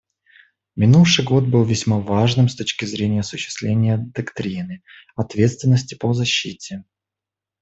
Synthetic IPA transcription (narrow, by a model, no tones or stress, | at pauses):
mʲɪnufʂɨjɡo̞t̪̚bɨlˠvʲɪsʲmavaʐnɨmst̪ot͡ɕkʲɪzɾʲenʲɪjəɐsʊɕːɪ̥st̪lʲenʲɪjəd̪ɐkt̪ɾʲinɨ | ɐt̪vʲe̞t̪st̪vʲɪnːəsʲtʲɪ̥pozɐɕːitʲɪ